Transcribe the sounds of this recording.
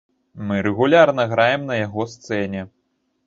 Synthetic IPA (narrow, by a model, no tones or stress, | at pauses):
mɨɾɛɣulʲarnɐɣɾajɛmnɐjaɣɔst̪sɛnʲɛ